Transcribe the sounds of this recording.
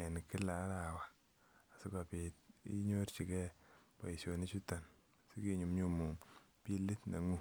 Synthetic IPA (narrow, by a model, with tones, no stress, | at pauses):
ɛ˨n˨kɪ˦la˨˦ɾa˨waː˨ | sɪ˦ka˨pi˨tḭ˦ɲo˦ɾt͡ʃi˨kɛ˦pa̰˨i˨so˨ni˦t͡ʃu˦ta˨n˨ | si˦ki˦ɲu˨mɲu˦mu˨ŋ | pi˦li˦tna̰˨ŋu˦